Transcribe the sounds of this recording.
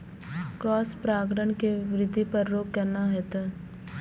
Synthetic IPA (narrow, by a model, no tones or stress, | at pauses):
kɾɔːspɾaːɡɾəɳkeʋɾɪd̪ʱːipɐɾːoːɡkɛɾnaɦɛt̪ə̃